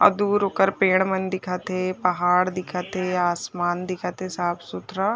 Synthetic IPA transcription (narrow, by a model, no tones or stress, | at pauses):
ɐ̰d̪uːɾoːkəɾpeːɽ̃mɐnd̪ɪkʰat̪epɐɦaːɽd̪ɪkʰat̪ɦeaːsmaːnd̪ɪkʰat̪ɦesaːpʰsʊt̪ɾa